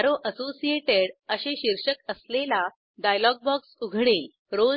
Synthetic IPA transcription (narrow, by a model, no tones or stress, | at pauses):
ɾoʔəsosieʈeɽəɕeɕiɾʂəkəslela | ɖajlɔɡ̚bɔksuɡʱɽel | ɾo